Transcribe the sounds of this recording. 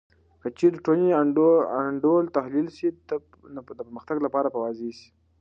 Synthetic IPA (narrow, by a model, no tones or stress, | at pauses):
kət͡ʃed̪əʈoniaaɳɖolt̪ahlilsid̪ | nd̪əpəɾməxt̪aɡlapɑɾapəwɑzesi̥